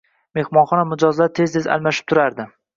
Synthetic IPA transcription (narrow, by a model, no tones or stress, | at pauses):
me̞hmɒnχɒnamʊd͡ʒɒzlaɾt̪ʰe̞zt̪ʰeza̰lˠmaʃɪ̥p̚t̪ʰʊɾaɾd̪ɪ